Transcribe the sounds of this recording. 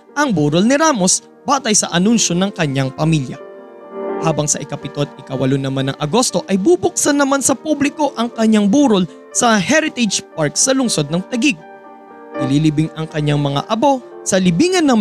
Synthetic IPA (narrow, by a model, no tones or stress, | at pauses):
ʔɐŋbuːɾolnɪɾaːmo̞s | baːt̪ɐjsɐʔɐnunʃo̞nɐŋkɐɲːaŋpɐmiljɐ̰ | haːbɐŋsɐ̰ʔɪkɐpɪt̪ot̪̚ɪkɐwɐlʊnːɐmanːɐ̰ŋʔɐɡo̞st̪o̞ʔɐjbubʊk̚sɐnːɐmansɐpublɪko̞ʔɐŋkɐɲːaŋbuːɾol | sɐhɛɾɪt̪ɛd͡ʒpaɹk̚sɐlʊŋso̞d̪̚nɐŋt̪ɐɡiɡ̚ | ʔɪlilibɪŋɐŋkɐɲaŋmɐŋa̰ʔɐbo̞sɐlɪbiːŋɐnːɐ